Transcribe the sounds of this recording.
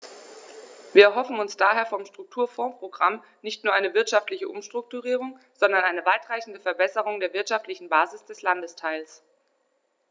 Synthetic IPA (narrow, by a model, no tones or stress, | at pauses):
viːɐɛɐɦɔfn̩ʊnsd̥aːɦeːɐfɔmʃtʁ̥ʊk̚tʰuːɐfɔ̃ːpʁ̥oɡʁam | nɪçtnuːɐʔaɪnəvɪɐtʃaftlɪçəʔʊ̰mʃtʁ̥ʊk̚tuʁiːʁ̞ʊŋ | z̥ɔndɐnʔaɪnəvaɪtʁ̥aɪçn̩dəfɛɐbɛsəʁ̞ʊŋdeːɐvɪɐtʃaftlɪçn̩baːzɪsd̥ɛslandəstʰaɪls